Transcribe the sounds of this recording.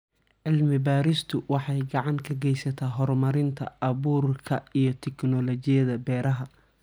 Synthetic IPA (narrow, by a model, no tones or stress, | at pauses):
ʕɪlmɪbaːɾɪst̪ʰʊwɑħɑjɡɑʕɑŋkʰɐɡɛjsɐt̪ʰaːɦɔrmɐɾɪnt̪ʰɐ̰ʔɐβuːrkʰɐijɞt̪ʰɛknɔlɔt͡ʃɪjɐðɐbɛːɾɐɦɐ